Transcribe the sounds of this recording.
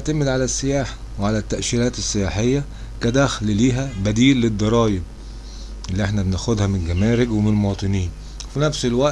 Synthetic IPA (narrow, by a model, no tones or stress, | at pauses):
ʕt̪æmed̪ʕalæsːejaːħḁ | weʕalæt̪ːæʔʃiːɾæːt̪esːejaːħejːæ | kæd̪æxlliːɦæbæd̪iːlːed̪ˤːɑɾˤɑːjeb̚ | ʔelːiʔeħnæbenæʔxod̪hæmɪnlɡæmæːɾɪɡwemenlmowɑːt̪ˤɨniːn | finæfselwæʔ